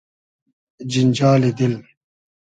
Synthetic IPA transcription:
d͡ʑind͡ʑaːlid̪il

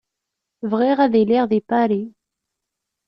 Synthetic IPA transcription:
vʁɛʁad̪elɛʁd̪epaɾe

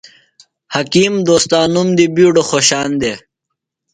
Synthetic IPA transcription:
hɐkiːmd̪oːst̪aːnumd̪ibiːɖoxoːɕaːnd̪e

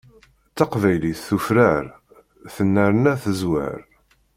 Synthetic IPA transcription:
t͡sːɑqvæjliθθufɾaɾ | θənːəɾənæθəzwæ̰ɾ

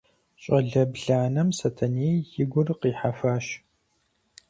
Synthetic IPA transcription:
ɕʼɐɮɐbɮaːnɐmsɐtʰɐneːjɪɡʷʊrqiːħafaːɕ

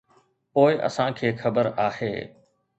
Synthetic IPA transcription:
poːɪʔɐ̰sãkʰeːxɐbəɾaːhḛː

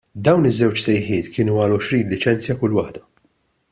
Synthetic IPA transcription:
d̪ɐwnɪzːɛwt͡ʃsɛjħɪːt̪kʰɪːnuɐlɔʃɾiːnlɪt͡ʃɛnt͡sjɐkʊlːwɐħd̪ɐ

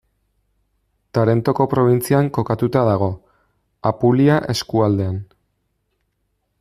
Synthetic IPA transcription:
t̪aɾe̞nt̪o̞ko̞pɾo̞β̞int͡siaŋko̞kat̪ut̪aðaɣ̞o̞ | apuliaʔe̞skuald̪e̞an

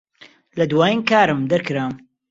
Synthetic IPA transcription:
lɐd̪waːjinkaːɾɨmd̪ɐɾkɨɾaːm

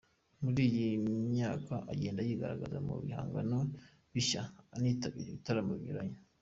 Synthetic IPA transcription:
muɾiːjimɲaːkaʔaɟe̞ːndajiɡaɾaɡazamṵβḭha̰ːŋɡano | βiʃaːniːtaβḭɾeβitaɾamoβiɲuɾaɲo

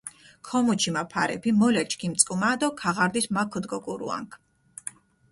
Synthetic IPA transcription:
kʰɔmut͡ʃʰimapʰaɾɛ̰pʰimɔlɛt͡ʃʰkʰimt̪sʼkʼumad̪ɔkʰaʁaɾd̪ismakʰɔd̪ɡɔkʼuɾṵa̰ŋkʰ

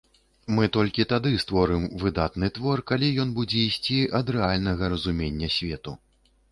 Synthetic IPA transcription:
mɨt̪ɔlʲkʲit̪ad̪ɨst̪vɔɾɨmvɨd̪at̪nɨt̪vɔrkalʲijɔn̪bud͡zʲɛisʲt͡sʲiʔɐd̪ɾɛalʲnɐɣɐɾɐzumʲenʲːɐsʲvʲɛt̪u

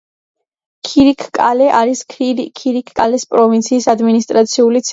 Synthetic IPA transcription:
kʰiɾikʰkʼalɛʔaɾisʰkʰiɾikʰkʼalɛspʼɾɔvint̪sʰiːsad̪minist̪ʼɾat̪sʰiulit̪sʰ

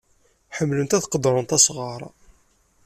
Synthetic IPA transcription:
ħəmːlənt̪æθqəd̪ɾˤənt̪æsʁɑɾˤɑ

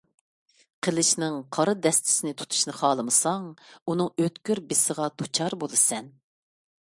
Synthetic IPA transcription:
qʰəlˠɪʃnɪŋqʰɑɾɨd̪ɛst̪ʰɪ̥sɪnɪt̪ʰu̥t̪ʰu̥ʃnɨχɑːlˠɨmɨsɑŋunɨŋøt̪kʲyɾbɪsəʁɑt̪ʰot͡ʃʰɑɾbolˠɨsɛn

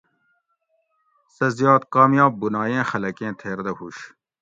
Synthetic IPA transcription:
sɐzjɑːt̪qɑːmjɑːb̚bunɑːjẽːxɐlɐkẽːt̪ʰeːɾd̪ɐhuɕ

